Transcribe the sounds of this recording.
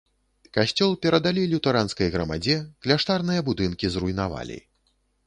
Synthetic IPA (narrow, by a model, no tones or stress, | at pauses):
kaɕʲt͡sʲɔlˠpʲɛɾɐd̪alʲilʲut̪ɐɾanskɐjɣɾɐma̰d͡zʲɛklʲaʂt̪arnɨjɐbud̪ɨnkʲizrujnava̰lʲḭ